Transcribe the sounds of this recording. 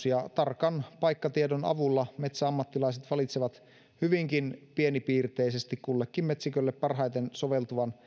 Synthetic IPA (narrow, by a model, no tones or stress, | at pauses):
siɑt̪ɑrkɑnpɑjkːɑt̪iedonɑ̰ʋulːɑmet̪sæɑmːɑt̪ːilɑiset̪ʋɑlit̪seʋɑt̪ | hyʋiŋkinpie̞nipiːrt̪e̞ise̞st̪ikkulːekːimmet̪sikølːepːɑrɦɑjt̪ensoʋe̞lt̪uʋɑn